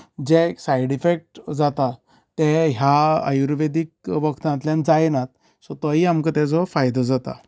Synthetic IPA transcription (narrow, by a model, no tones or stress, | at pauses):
d͡ʑɛksajɽifek̚ʈd͡zat̪a | t̪ɛ̃ɦjaa̰juɾʋed̪ik̚ʋəkʰt̪ãt̪ljand͡zajnat̪̚ | sɔt̪əɦiamkət̪ɛd͡zɔfajd̪əd͡zat̪a̰